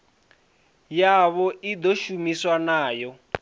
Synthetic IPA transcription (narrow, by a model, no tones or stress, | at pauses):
jaβɔʔid̪ɔʃumiswanaːjɔ